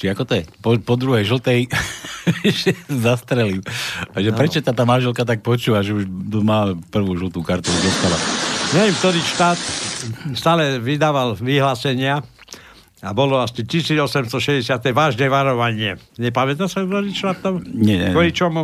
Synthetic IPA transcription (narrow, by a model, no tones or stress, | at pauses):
t͡ʃiakɔt̪ɔjɛpɔpɔd̪ɾuɦɛjʒl̩t̪ɛj | ʒɛzast̪ɾɛlimaʒɛpɾɛt͡ʃɔt̪at̪aːmanʒɛlkat̪̬ak̚pɔt͡ʃuːʋaʒɛuʒd̪ɔmaːpr̩ʋuːʒl̩t̪ukaɾt̪ud̪ɔst̪alaɲɛʋɛmkt̪ɔɾiːʃt̪aːt̪st̪aːlɛʋid̪aːʋalʋiɦlaːsɛɲɪa | abɔlɔasicisiːd͡zɔsɛmst̪ɔʃɛzɟɛsɪat̪ɛʋaːʒnɛʋaɾɔʋaɲɪɛɲɛpamɛt̪asakt̪ɔɾiːʃt̪aːt̪ːɔmɲɛɛ̰kɔit͡ʃɔm